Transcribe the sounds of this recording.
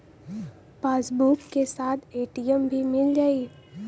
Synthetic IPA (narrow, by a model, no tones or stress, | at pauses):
paːsbukːesaːt̪ʰeːʈijəmbʱimɪld͡ʒaːi